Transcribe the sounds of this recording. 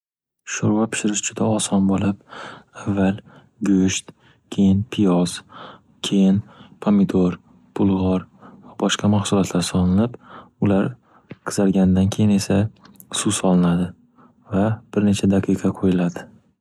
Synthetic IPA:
ʃoɾwapʰɪ̥ʃɪɾɪʃd͡ʒʊd̪aɒsɒnbolˠɪpavːalˠ | ɡɵʃt̪ | kʲʰe̞jɪnpʰɪjɒs | kʲʰe̞jɪnpʰomɪd̪ʰoɾ | pʰʊlˠʁɒɾvabɒʃqɑmaχsʊlɒt̪ʰlaɾsɒlˠɪnɪpʊlaɾ | qʰɨ̥zaɾɡʲanɪd̪ankʲʰejɪne̞sa | susɒlˠɪnad̪ɪ | vab̥ɪɾne̞t͡ʃʰad̪aqʰɨqʰɑqʰojɪlad̪ɪ

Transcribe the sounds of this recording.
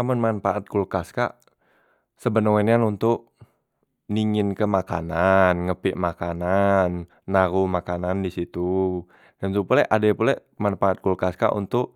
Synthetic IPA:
amʊnmanfaʔat̪̚kulkaska̰ʔ | səbənowɛnanunt̪ʊk̚ | niŋɪnkəmaka̰nanŋəpɪʔmakananː | aɾumakanandisit̪u | dansupulɛʔadapulɛʔ | manfaːt̪̚kulkaska̰ʔṵnt̪ʊʔ̚

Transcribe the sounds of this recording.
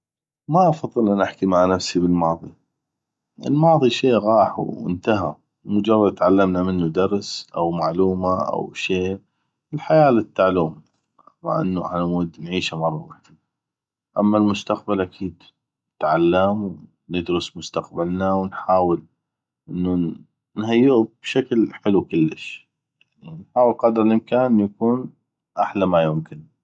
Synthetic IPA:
maʔɑfɑðˤːɨlʔanʔɪħkimaʕnafsibəlmɑːðˤi | ʔə̰lmɑːðˤiʃeːʔɣɑːħɪ̰nt̪aɦa̰ | mʊd͡ʒɑrˤːɑd̪t̪ʕalːamnamɪnːud̪ɑɾˤsʔa̰wmaʕluːmaʔa̰wʃeː | ɪlħajaːlɪt̪ːaʕluːm | ma̰ʕʔɪ̰nːuʔa̰ħnamud̪nʕiːʃamɑrˤːɑwaħd̪i | ʔamːalmʊst̪aq̚balʔakʰiːd̪ | ɪt̪ʕalːamw | nɪd̪ɾʊsmʊst̪aqbalnawnħaːwɪl | ʔɪnːu | nɦajːɪʔub̥ʃaklħɪlukʊlːɪʃ | jaʕninħaːwəlqɑd̪ɾˤɪlʔɪmkaːnʔjakuːn | ʔaħlamajʊmkɪn

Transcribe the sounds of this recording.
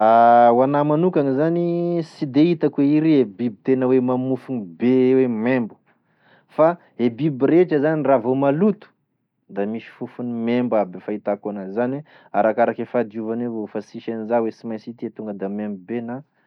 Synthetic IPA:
awanamanukanizanisid̪eit̪akweiɾiebibit̪enəwemamufunibewemembu̥ | fa | ebibiɾeʈ͡ʂəzaniravomalut̪u̥ | d̪amiʃi̥fufunimembabefait̪akonazanwe | aɾakaɾakefad̪iuvanevofasiʃanizawesimajsit̪iet̪uŋɡəd̪amembubena

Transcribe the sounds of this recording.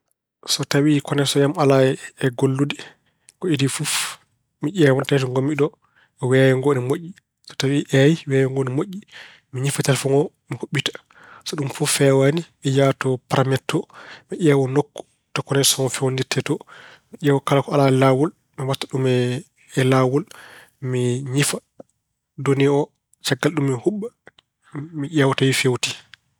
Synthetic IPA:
sɔtawikɔnɛsɔjamalaɛːɡolːudɛ | kɔidifuf | miʔɛwɔntatɔŋɡomiɗɔ | wɛjɛŋɡɔnimoʔːi | sɔ̥tawiʔɛjiwɛjɛŋɡɔnimoʔːi | miɲifatalfɔŋɡɔ | mikoɓːitḁ | sɔɗumfuffɛwanimɛjatɔpaɾamɛtʰːɔmiʔɛːwɔnokːɔ̥ | tɔkːɔnɛsɔŋɔfɛwonditʰːɛtɔmiʔɛːwɔkalakɔalaɛlawul | miwatːaɗumɛ | ɛlawul | miɲifa | doniɔ | t͡ʃaɡːalɗumːɛhuɓːa | miʔɛwɔtawifewti

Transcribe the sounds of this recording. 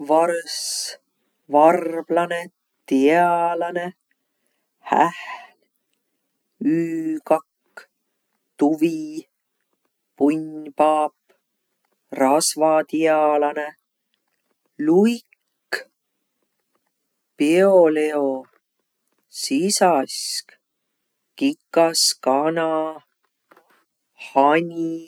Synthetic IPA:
vɑrs | vɑrblɑne | t̪iɑlɑne̞ | hæ̰hl | yːkɑkː | t̪uvi | puɲpɑːp | rɑsvɑt̪iɑlɑne | lujkː | peoleo | sisɑsk | kikːˑɑskɑnɑ | hɑnʲi

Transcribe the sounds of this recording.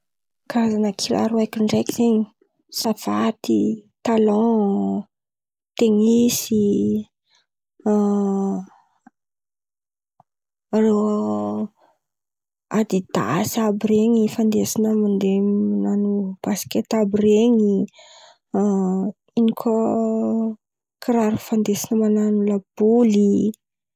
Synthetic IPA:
kaazanəkʰila̰ɾuajkʲiɳɖ͡ʐekiz̥eɲi | sav̥at̪it̪alɔ̃ | t̪eŋisi | aɾew | ad̪id̪a̰sabiɾeŋifand̪esinəmand̪emananub̥askʲet̪abireŋi | inikʰʲo | kʰiɾaɾufand̪esinəmananulab̥uli

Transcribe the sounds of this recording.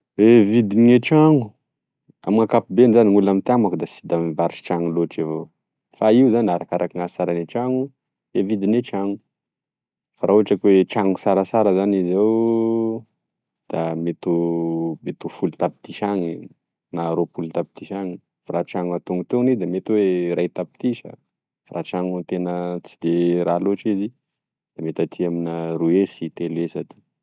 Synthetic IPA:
evid̪iŋeʈ͡ʂaŋu | a̰miŋakapibenzaniŋulamit̪amakud̪asid̪amivaɾit͡ʃi̥ʈ͡ʂaŋuloʈ͡ʂivo | faiuzanaɾakaɾʔakiŋasi̥saɾaneʈ͡ʂaŋu | evid̪inet͡ʃaŋu | faɾauaʈ͡ʂakweʈ͡ʂaŋusaɾasaɾəzanizew | d̪̥amet̪umet̪ufult̪api̥t̪iʃaŋi | naɾopulit̪api̥t̪iʃaŋi | faɾat͡ʃaŋuat̪uŋut̪enid̪amet̪uweɾajt̪api̥t̪isə̰ | faɾʔa̰t͡ʃaŋut̪enət͡sid̪eɾaloʈ͡ʂizi | d̪̥amet̪at̪ʰiaminaruesit̪elesat̪i̥

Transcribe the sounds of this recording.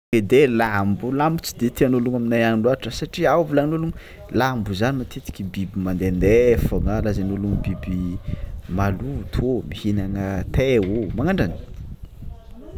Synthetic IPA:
ed̪elambulambut͡si̥d̪et̪ianoluŋaminajanluaʈ͡ʂəsaʈ͡ʂiavilanoluŋ | lambuzanimat̪et̪i̥kʲibibimand̪end̪efoŋalazanuluŋbibi | malut̪ʰomihinaŋət̪eomaŋaɳɖ͡ʐani̥

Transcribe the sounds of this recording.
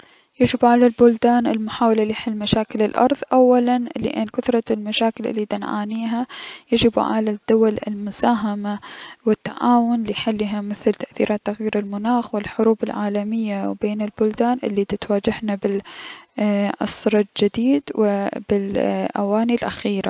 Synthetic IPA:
jad͡ʒɪbʕalalbʊld̪aːnɪ̰lmʊħaːwalalɪjħɪlːmaʃaːkɪlɪlʔɑ̰ɾˤðˤʔawːalanɪlḭʔeːnkʊt̪ɾˤɑlmaʃaːkɪlʔɪ̰lːid̪anʕa̰ːniːɦajad͡ʒɪb̰ʕa̰lad̪ːʊwalɪ̰lmʊsaːɦamawɪt̪ːa̰ʕaːwʊnlɪħɪlːɦamɪθlt̪aʔθḭːɾʔaːt̪ːaɣjiːɾɪlmʊnaːxwɪlħʊɾuːbɪlʕaːlamɪjːawbeːnɪlbʊld̪aːnʔɪ̰lːid̪ɪt̪waːd͡ʒɪhnabɪl | ʔɑ̰sːɾˤɪd͡ʒɪd̪iːd̪wɪbɪlʔa̰waːnilʔa̰xiːɾa

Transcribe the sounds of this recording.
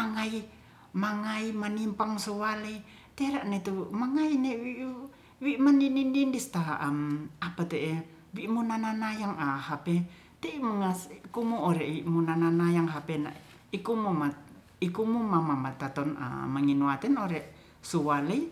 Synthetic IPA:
maŋai | maŋaimanimpaŋsuwalei | t̪eɾaʔnet̪umaŋainewiʔ | wiʔmaninindindist̪aʔamapat̪eʔe | wiʔmunananajaŋahapɛ | t̪eimuŋaskumuoɾɛwiʔmunananajaŋɦapɛna̰ʔ | ikumuma | ikumumamamat̪at̪ɔna̰maŋinuat̪ɛnɔɾɛʔ | suwalei

